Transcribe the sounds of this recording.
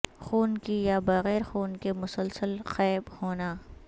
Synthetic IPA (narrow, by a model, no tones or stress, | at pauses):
xuːnkijabɐɣɛːɾxuːnkemʊsəlsəlxɛːbhoːnaː